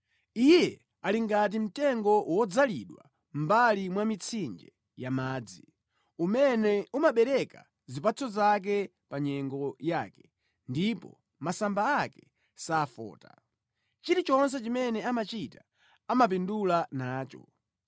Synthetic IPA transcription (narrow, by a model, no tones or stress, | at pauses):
ijɛ | aliŋɡat̬im̩tɛŋɡɔwɔd͡zalḭɗwa̰ | m̩balimwamit͡sʰind͡ʒɛ | jamaːd͡zi | umɛnɛumaɓɛɾɛka | zipat͡sʰɔzak̬ɛ | paɲɛŋɡɔjaːkɛ̥ | ndipɔ̰ | masambaakɛ̥ | saːfɔ̰ːta̰ | t͡ʃiɾit͡ʃɔns̬ɛt͡ʃimɛnɛamat͡ʃitḁ | amap̬indulanaːt͡ʃɔ̰